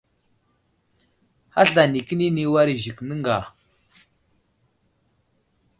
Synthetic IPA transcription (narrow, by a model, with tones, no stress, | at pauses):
ha˦ɬa˨ni˨kə˦ni˦ni˦wa˦ɾi˨ʒi˨knə˦ŋɡa˨